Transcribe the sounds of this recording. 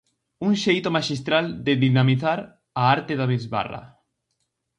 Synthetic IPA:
uŋʃejt̪omaʃist̪ɾald̪eðinamiθaɾ | aaɾt̪eðaβizβa̰ra̰

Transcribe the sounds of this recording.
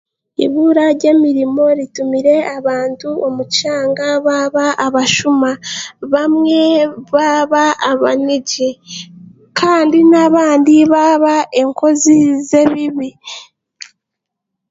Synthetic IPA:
ḭβuɾaɾɟe̞ːmiɾimo̞ɾitumiɾe̞aβaːntuʔomut͡ʃaːŋɡaβaβaʔaβaʃumaβamŋe̞βaβaːβaniɟe | kʰaːndinaβaːndiβaβaʔe̞ŋko̞zize̞βiβi

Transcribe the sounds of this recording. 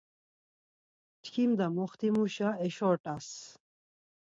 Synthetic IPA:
t̪ʰkʰimd̪amɔχt̪ʰimuʃaɛʃɔɾʈʼas

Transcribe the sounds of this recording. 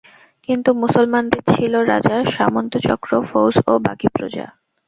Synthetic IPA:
kint̪umusolmand̪eɾt͡ɕʰiloɾad͡ʑaʃamont̪ot͡ɕɔkɾofowsoba̰kipɾo̰d͡ʑa̰

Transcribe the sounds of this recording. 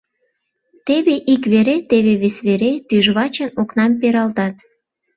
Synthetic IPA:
t̪eβeʔikβeɾet̪eβeβesβeɾet̪yʒβɑt͡ɕənoknɑmpeɾɑlt̪ɑt̪

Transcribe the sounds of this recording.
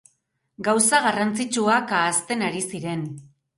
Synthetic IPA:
ɡawsaɣarant͡sit͡ʃuakaːst̪e̞naɾisiɾe̞n

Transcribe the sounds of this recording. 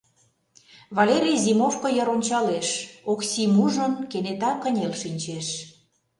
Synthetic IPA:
vɑlʲeɾʲijzimofkojə̆ɾonʲt͡ɕɑleʃoksʲimuʒənkenet̪ɑkə̆nʲelʃinʲt͡ɕeʃ

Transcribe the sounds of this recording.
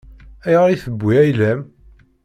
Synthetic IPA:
æjʁəɾiθəbːiæjlæm

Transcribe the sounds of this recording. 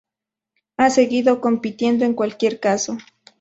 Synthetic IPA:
aseɣiðokompit̪je̞nd̪oeŋkwalkje̞ɾkaso

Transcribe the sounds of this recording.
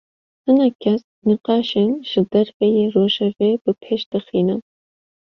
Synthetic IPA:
hɨnɛkʲʰɛs | niqɑːʃenʒ̥ɨd̪ɛɾfejeroːʒɛveːbɨpʰeːʃd̪̥ɨxiːnɨn

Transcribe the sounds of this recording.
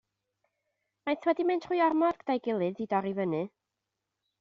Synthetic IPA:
majθwɛdimɛntʰr̥ʊjɔrmɔdɡ̥əd̥ajɡɪlˠɨðidɔɾivənɨ

